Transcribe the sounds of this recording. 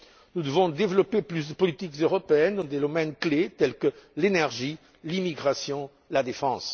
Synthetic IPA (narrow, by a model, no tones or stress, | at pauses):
nud̪əvɔ̃d̪evlopeplys̬d̪əpɔlit̪ikzøʁɔpeɛnd̪ɑ̃d̪ed̪omɛnklet̪ɛlkəlenɛʁʒi | limiɡʁasjɔ̃ | lad̪efɑ̃s